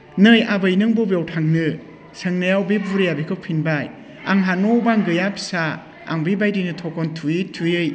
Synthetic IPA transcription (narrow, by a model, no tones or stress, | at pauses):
nɯjabɯjnɯŋbubjawtʰaŋnɯ | sɯŋnajawbibuɾijabikʰɯwpʰinbaj | aŋɦanɔbaŋɡɯjapʰi̥sa̰ː | ŋbibajdinɯtʰɔkɔntʰujɯtʰujɯj